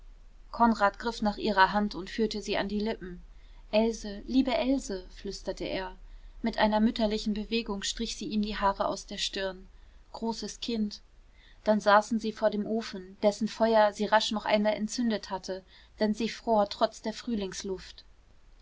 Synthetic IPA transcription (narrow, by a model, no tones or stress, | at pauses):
kʰɔnʁaːtɡ̥ʁɪfnaːχʔiːʁɐɦantʰʊntfyːɐtəziːʔa̰ndiːlɪpm̩ | ʔɛlzəliːbəʔɛlzəflʏstɐtʰəʔḛːɐmɪtʔaɪnɐmʏtɐlɪçn̩bəveːɡʊŋʃtʁ̥ɪçz̥iːʔiːmdiːɦaːʁəʔa̰ʊsd̥eːɐʃtɪɐn | ɡ̥ʁoːsəskʰɪnt | d̥anzaːsn̩ziːfoːɐdeːmʔoːfn̩d̥ɛsn̩fɔʏɐziːʁaʃnɔχʔa̰ɪnmaːlɛntt͡sʏndəthatʰə | d̥ɛnziːfʁ̥oːɐtʁ̥ɔt͡sd̥eːɐfʁ̥yːlɪŋslʊft